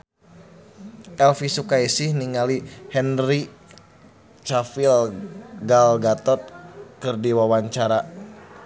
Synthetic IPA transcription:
ʔɛlfisukaisihniŋalihɛnɾi | t͡ʃafilɡalɡat̪ɔt̪̚kɨrdiwawaɲt͡ʃaɾa

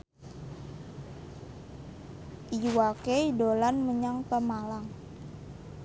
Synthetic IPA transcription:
ʔiwakejdolanməɲaŋpəmalaŋ

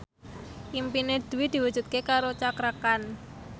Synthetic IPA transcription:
ʔimpined̪̥ṳwid̪̥i̤wud̥d͡ʒ̥ṳt̪̚kekaɾot͡ʃakɾakan

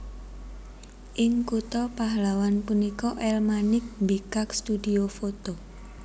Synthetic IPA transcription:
ʔɪŋkut̪ɔpaɦlawanpunikɔʔɛlmanɪk̚mbikakst̪udiofot̪o

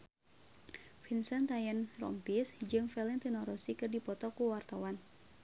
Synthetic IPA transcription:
finsant̪ajɛnrɔ̰mpisd͡ʒɨŋfɛlɛnt̪inɔɾɔsikɨrdipɔt̪ɔkuwart̪awan

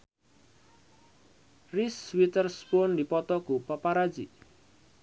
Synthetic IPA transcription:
riswit̪ərspɔnd̪ipɔt̪ɔɡ̥upapaɾḁd͡ʒi

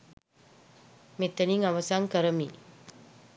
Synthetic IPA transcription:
met̪əniŋaʋɐsaŋkəɾəmiː

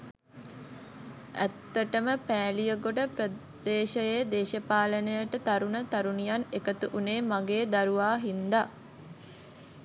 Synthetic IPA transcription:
æ̰t̪ːəʈəməpæːlijəɡoʈəprə | d̪eːʃəjed̪eːʃəpaːlənəjəʈət̪aɾunət̪aɾunijanekət̪uʔuneːmaɡeːd̪aɾuʋaːɦind̪a

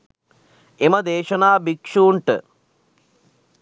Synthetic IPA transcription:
emɐd̪eːʂɐnaːbikʂuːɳʈɨ̰

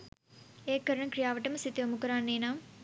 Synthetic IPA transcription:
eːkːɐɾɐɳɐmkɾijaːʋɐʈɐmɐsit̪ːiʋɐmukɐɾaːnːeːnaːm

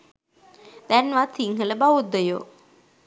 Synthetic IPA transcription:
d̪ænʋat̪ʰiŋɦələbaʋud̪ːəjo̰ː

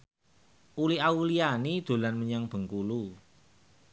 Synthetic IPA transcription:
ʔuliɦaulianid̪̥o̤lanməɲaŋb̥ə̤ŋkulu

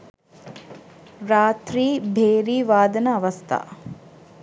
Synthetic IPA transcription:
ɾaːt̪ɾiːbʱeːɾiːʋaːd̪ɐnɐɐʋɐst̪ʰa̰

